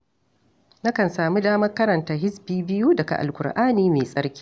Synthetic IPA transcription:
na˦kɐ˨nsaː˨mi˦daː˦mɐ˦rkɐ˦ɾɐ˨ntaː˨ɦɪ˦sbiː˦bɪ˦ju˦dɐ˨ka̰˨ʔa̰˨lkʷʊ˨rʔaː˦niː˦meː˨sʼɐ˦ɾkʲi̥ː˦

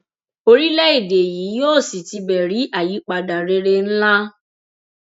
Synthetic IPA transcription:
o˧ɾi˦lɛ˦i˦˨de˨ji˨˦joː˦˨si˨ti˧bɛ˨ɾi˨˦ʔa˦˨ji˨˦k͡pa˧da˨ɾe˧ɾe˧n̩˦la˦

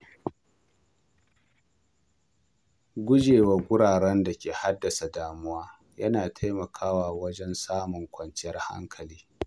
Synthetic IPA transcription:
ɡʷʊ˦d͡ʒeː˨wa˨ɡʷʊ˦ɽaː˨ɽɛ˦nda˨kʲeː˨ha˦dːɐ˨sa˨daː˨mʊ˦waː˦ | jɐ̰˦naː˨tʰa˦jmɐ˨kʰaː˦waː˨wɐ˦d͡ʒɛ˦nsaː˦mʊ˨ŋkʷɐ˨nt͡ʃɪ˦jɐ˦rha̰˦ŋkʰɐ˨liː˦

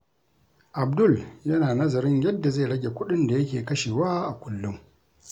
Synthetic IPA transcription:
ʔa˨b̚dʊ˦˨ljɐ˦naː˨nɐ˦zɐ˨ɾɪ˦ɲjɐ˦dːa˨ze˦˨ɽɐ˦ɡʲe˨kʷʊ˦ɗɪ˦nda˨jɐ˦kʲeː˨kɐ˦ʃeː˨waː˦ʔa˨kʷʊ˦lːʊ˦m

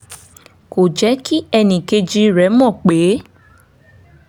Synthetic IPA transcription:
ko˨d͡ʒɛ˨˦ki˦ɛ˧nĩ˨ke˧d͡ʒi˧ɾɛ˨˦mɔ̃˦˨k͡pe˨˦

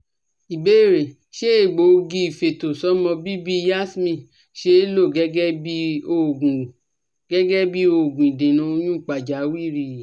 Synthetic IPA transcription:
i˨be˨˦˨ɾe˨ | ʃe˦e˦˨ɡ͡bo˨˧ɡĩ˧˦i˨fe˨to˨sɔ˦mɔ̃˧bi˦bi˦ja˦˨smĩ˧˨ | ʃe˦lo˦˨ɡɛ˨˦ɡɛ˦bi˦o˧˨ɡũ˨ | ɡ̥ɛ˦ɡɛ˦bi˦o˧˨ɡũ˨i˨dẽ˨nũ˧o˧j̃ũ˦˨k͡pa˨d͡ʒa˨˦wi˦˨ɾi˧˨

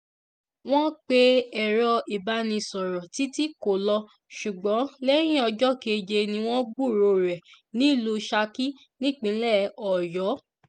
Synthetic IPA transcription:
w̃ɔ̃˦k͡pe˦ɛ˨ɾɔ˧i˨ba˧˦nĩ˧sɔ˨ɾɔ˨ti˨˦ti˦ko˨lɔ˧ | ʃu˨ɡ͡bɔ̃˨˦lɛ˦ɾ̃ĩ˦ɔ˧d͡ʒɔ˦ke˧d͡ʒe˧nĩ˧w̃ɔ̃˦ɡ͡bu˦˨ɾo˧ɾɛ˨ | nĩ˦˨lo˧ʃa˧ki˦ | nĩ˦˨k͡pĩ˧˦lɛ˦˨ɔ˨jɔ˨˦

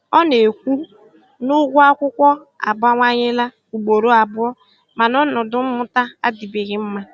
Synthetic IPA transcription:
ɔ˦ne˨kʷu˦ | nʊ˦ɡʷʊ˦a˦kʷʊ˦kʷɔ˦ | a̰˨ba˦ŋʷa˦ɲɪ˦la˦ | u˨ɡ͡bo˨ɾo˦a˨bʊ˦ɔ˦ | ma˨nɔ˦nʊ˨dʊ˦m̩˦mʊ˦ta˦a˦di˨bi˨ɣɪ˨m̩˦ma˦

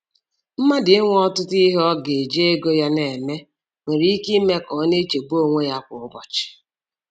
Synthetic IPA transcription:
m̩˦ma˦dɪ˨˦ŋʷ˦ɔ˦tʊ˦ti˦ɦɔ˦ɡe˨d͡ʒe˦e˦ɡo˦ja˦ne˨me˦ | ŋʷe˨ɾi˦i˦ki˦me˦kɔ˨˦ne˦t͡ʃe˨ɡ͡bo˦˨ŋʷe˦ja˦kʷʊ˨ʊ˦bɔ˨t͡ʃɪ̥˨

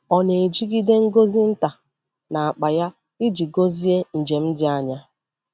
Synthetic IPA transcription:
ɔ˨ne˨d͡ʒi˦ɡi˦de˦ŋ̩˦ɡo˦zi˦n̩˦ta˨ | na˨a˨k͡pa˨ja˦ | i˦d͡ʒi˨ɡo˦zi˦e˦n̩˨d͡ʒe˨m̩˦dɪ˦a˦ɲa˦

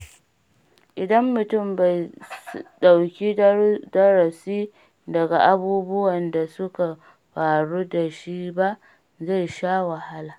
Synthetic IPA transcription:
ʔɪ˨dɐ˦mːʊ˨tʊ˦˨mba˨j | ɗa˨wkʲi˦dɐ˦ɾɐ˨siː˦ | dɐ˨ɡa˨ʔa˦buː˦bʊ˦wɐ˨nda˨sʊ˦ka˨ | ɸaː˨ɽu˦da˨ʃi˦ba˦ʔ | za˦˨jʃaː˦wa˨ha˦laː˨

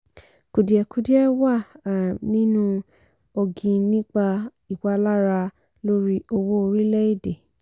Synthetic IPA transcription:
ku˨di˨ɛ˧ku˨˦di˦ɛ˦wa˦˨nĩ˦nũ˦ | o˧ɡĩ˧nĩ˦k͡pa˧ | i˨wa˧˦la˦ɾa˧ | lo˦ɾi˦o˧wo˦o˧ɾi˦lɛ˦i˦˨de˨

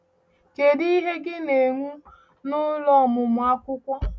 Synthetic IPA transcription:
ke˨di˦ɦe˦ɡɪ˦ne˨ŋʷu˦ | nʊ˦lɔ˦˨mʊ˨mʊ˨a˦kʷʊ˦kʷɔ˦

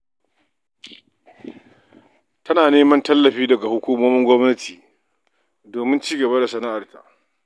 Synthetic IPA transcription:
tʰɐ˦naː˨neː˦mɐ˦ntɐ˦lːɐ˨ɸiː˦dɐ˨ɡa˨hʊ˦kʷuː˦moː˦mɪ˦ŋɡʷɔ˦mnɐ˦tʰiː˨ | doː˨mɪ˦nt͡ʃiː˦ɡɐ˨ba˦da˨sɐ˨na˦ʔa˨rta̰˨ʔ

